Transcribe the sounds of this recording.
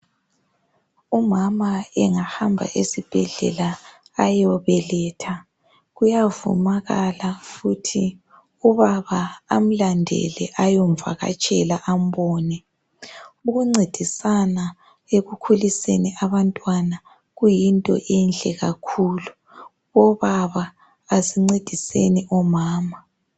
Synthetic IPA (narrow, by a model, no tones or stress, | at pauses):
umamaɛŋahambʱa̰ʔesib̥ʱɛɮɛ̰laː | jɔβɛlɛːtʰa | ɣujavṵmaɣalafutʰi | uβaβaːm̩landʱɛ̰lɛʔajɔɱva̰ɣa̰t͡ʃʼɛlaʔam̩bɔːnɛ | uɣuŋ͡ǀed̥ʱisana | eɣukʰulisḛniʔaβantʼwana | ɣujintʼɔ̰ʔɛnɬɛɣa̰kʰuːlu | ɔβaβaː | ziŋ͡ǀed̥ʱisḛniʔɔmaːma